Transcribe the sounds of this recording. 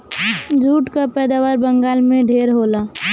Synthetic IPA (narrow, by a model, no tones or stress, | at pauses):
d͡ʒʱuːʈkapɛːd̪aːʋaːɾbə̃ŋɡaːlmẽɖʱeːɾɦoːlaː